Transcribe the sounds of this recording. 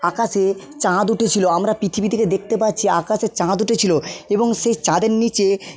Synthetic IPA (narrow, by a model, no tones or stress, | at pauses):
akaʃe | t͡ɕãd̪uʈʰet͡ɕʰiloamɾapɾit̪ʰibid̪ʰʱiked̪ek̚t̪epatːt͡ɕʰiakaʃet͡ɕãd̪uʈʰet͡ɕʰiloeboŋʃejt͡ɕãd̪eɾnit͡ɕe